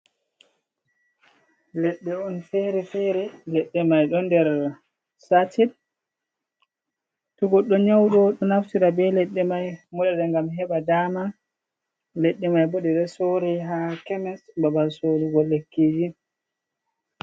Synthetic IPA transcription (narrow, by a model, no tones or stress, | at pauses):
lɛɗːɛɔnfeɾɛfeɾɛlɛɗːɛmajɗɔndɛɾ | satʰid | tuɡɔɗːɔɲawɗɔɗɔnaftiɾabɛlɛɗːɛmajmɔɗɛɗɛŋɡamɦɛɓadama | lɛɗːɛmajbɔɗɛɗɛsoɾɛɦakɛmɛsbabalsoɾiɡɔlːekːid͡ʒi